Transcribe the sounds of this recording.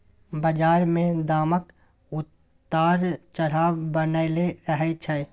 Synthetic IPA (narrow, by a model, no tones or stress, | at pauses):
bəd͡ʒaːɾmẽd̪aːmək | ʊt̪ː | aːɾt͡ʃəɽ̤aːbənəleɾəɦɛt͡ʃʰɛː